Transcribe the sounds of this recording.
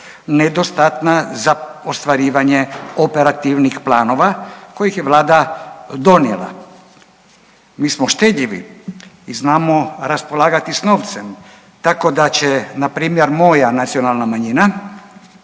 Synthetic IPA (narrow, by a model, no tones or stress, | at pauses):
ned̪ost̪at̪nazaost̪ʋaɾiːʋaɲeopeɾat̪iʋnixplaːno̞ʋako̞jixjeʋlaːd̪ad̪o̞njḛla̰ | miːsmoʃt̪e̞d̪ʎiʋḭ | iznaːmo̞ɾaspo̞lˠaːɡat̪isno̞ːʋt̪sem | t̪ako̞d̪at͡ɕenapɾiːmjeɾmo̞janat̪sio̞nalˠnamaɲina